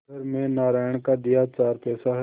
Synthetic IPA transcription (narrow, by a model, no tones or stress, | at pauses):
əɾmẽnaːɾaːɳ̃kad̪ɪjat͡ʃaːɾpɛːsaɦɛ